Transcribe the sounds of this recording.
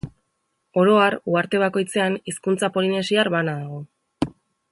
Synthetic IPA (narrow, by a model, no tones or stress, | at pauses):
o̞ɾo̞aruaɾt̪e̞β̞ako̞jt͡se̞aniskunt͡sapo̞line̞siaɾβanaðaɣ̞o̞